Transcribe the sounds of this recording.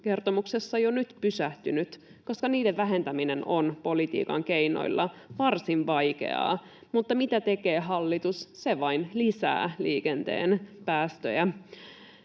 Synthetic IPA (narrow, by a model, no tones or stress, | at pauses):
ke̞rt̪omuksesːɑjonyt̪pysæht̪ynyt̪ko̞skɑniːdeʋʋæɦe̞nt̪æminenonpo̞lit̪ḭːkɑ̰ŋkeino̰ilːɑʋɑrsinʋɑjkḛɑ̰ː | mut̪ːɑmit̪æt̪e̞keːɦɑlːit̪usseʋɑinlisæ̰ːliːkent̪ḛːnpæːst̪ø̰jæ